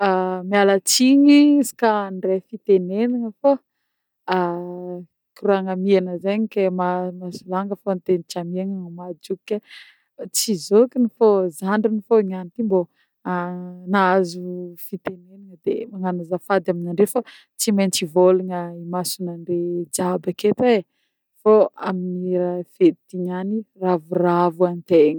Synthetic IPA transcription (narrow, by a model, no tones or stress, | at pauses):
amialət͡siɲisi̥kanɖ͡ʐefit̪eneniŋəfo | a | kiruaŋamianəzeɲikemamasulaŋɡəfont̪enit͡ʃamiaŋaŋamad͡ʒuka | t͡sizokinifozaɳɖ͡ʐinifoiɲanit̪imbo | anaazufit̪eneniŋəd̪ḛmaŋanazafad̪aminaɳɖ͡ʐefa | t͡simant͡sivoliŋəimasunaɳɖ͡ʐed͡ʒabaket̪ee | foaminiɾafet̪iɲaniravuravuant̪eɲə